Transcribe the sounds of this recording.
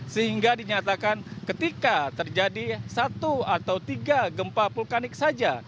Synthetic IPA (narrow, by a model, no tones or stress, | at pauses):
səɦiŋɡadiɲat̪akankət̪ikat̪ərd͡ʒadisat̪uat̪awt̪iɡaɡəmpapulkanɪk̚sad͡ʒa